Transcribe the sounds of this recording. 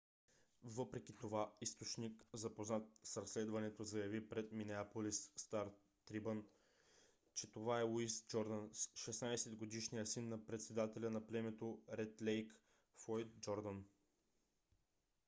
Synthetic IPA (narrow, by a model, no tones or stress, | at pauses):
vɤpɾɛkʲit̪ovaist̪ot͡ʃnikzɐpoznat̪̚sɾɐslɛd̪vɐnɛt̪ozɐjɐvipɾɛt̪minɛapolisːt̪aɾ | t̪ɾibən | t͡ʃɛt̪ovaɛuisd͡ʒɔɾd̪ənsʃɛsnajsɛd̪ɡod̪iʃnijəsinːɐpɾɛt̪sɛd̪at̪ɛlʲənɐplɛmɛt̪oɾɛt̪lɛjk | fɔjt̪̚d͡ʒɔɾd̪ən